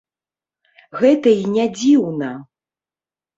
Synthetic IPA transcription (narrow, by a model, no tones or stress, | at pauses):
ɣɛt̪ɐinʲad͡zʲiwnɐ